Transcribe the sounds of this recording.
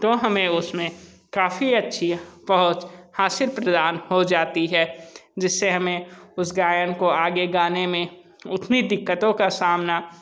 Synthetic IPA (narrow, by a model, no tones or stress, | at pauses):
t̪oɦɐmẽʊsmẽ | kaːfiɐtːʃʰipəɦʊt͡ʃhaːsɪɾpɾəd̪aːnhod͡ʒaːt̪iɦɛːd͡ʒɪsːeɦɐmẽʊsɡaːjənkoaːɡeɡaːnemẽ | ʊt̪ʰnid̪ɪkːət̪õkasaːmna